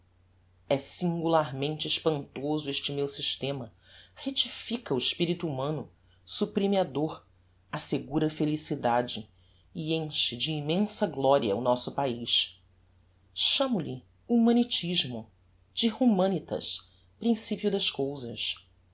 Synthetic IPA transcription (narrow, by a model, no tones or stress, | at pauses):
ɛsĩŋɡulaɾmẽnt͡ʃɪɪʃpɐ̃nt̪ozʊeʃt͡ʃɪmewsiʃt̪ẽmɐ | het͡ʃifikɐʊɪʃpiɾit̪uːmɐ̃nʊ | supɾimiad̪oɾ | aseɡuɾɐfelisid̪ad͡ʒɪ | iẽʃɪd͡ʒɪːmẽsɐɡlɔɾiɐ̰ʊnɔsʊpaiʃ | ʃɐ̃mʊʎɪ | umɐ̃nit͡ʃiʒmʊ | d͡ʒɪhumɐ̃nit̪ɐ̰ʃ | pɾĩsipjud̪ɐʃkowzɐs